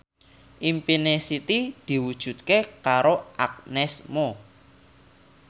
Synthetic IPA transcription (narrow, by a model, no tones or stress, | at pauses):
ʔimpinesit̪id̪̥i̤wud̥ʒ̥ṳt̪̚kekaɾoʔak̚nɛsmo